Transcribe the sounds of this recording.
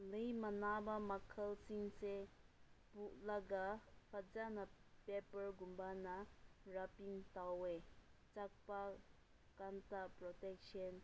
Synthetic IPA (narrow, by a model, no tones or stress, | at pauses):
lejmanabamakʰəlsiŋse | buʔlaɡapʰad͡ʒanapepəɹɡumbanaɹapiŋt̪awet͡ʃak̚pa | kant̪apɹɔt̪ɛk̚ʃən